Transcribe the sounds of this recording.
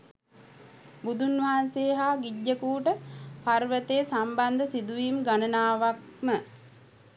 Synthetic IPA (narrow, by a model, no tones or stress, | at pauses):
bud̪ʱunʋaɦanseːɦaːɡiɟːəkuːʈəparʋət̪eːsamband̪əsid̪uʋiːmɡanənaːʋak̚mə